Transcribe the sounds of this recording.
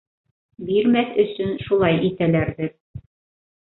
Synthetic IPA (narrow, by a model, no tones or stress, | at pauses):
biɾmæθɵ̆sɵnʃulˠɑjit̪ælæɾðɘɾ